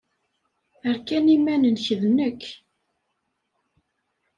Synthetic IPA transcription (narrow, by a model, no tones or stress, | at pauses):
əɾkænimːænənçəðnəkː